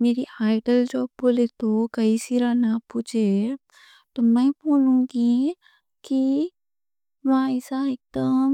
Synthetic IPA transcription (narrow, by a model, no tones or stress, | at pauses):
meːɾiaːɪɖəld͡ʒoːbboːlet̪okɐisiɾanaput͡ʃʰe | t̪omɛ̃poːlũɡi | ki | ʋãɛːsaek̚d̪əm